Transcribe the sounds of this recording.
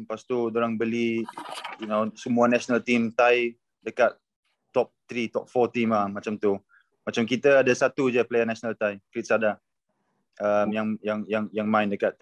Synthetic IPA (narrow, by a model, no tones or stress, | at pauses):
past̪udoɾaŋbəli | junosəmuanasonalt̪imt̪aj | dəkat̪̚ | t̪ɔp̚t̪ɾit̪ɔp̚fɔt̪imamat͡ʃamt̪u | mat͡ʃamkit̪əadasat̪ud͡ʒaplejanasnalt̪ajkɾit̪̚sada | amjaŋjaŋjaŋjaŋmãɪndəkat̪̚